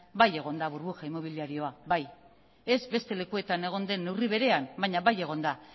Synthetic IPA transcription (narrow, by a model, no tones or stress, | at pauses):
baje̞ɣ̞o̞nd̪aβuɾβuxaimo̞β̞iliaɾio̞aβaj | e̞zbe̞st̪e̞le̞kue̞t̪ane̞ɣ̞o̞nd̪e̞nːe̞wriβ̞e̞ɾe̞ambaɲaβaje̞ɣ̞o̞nd̪a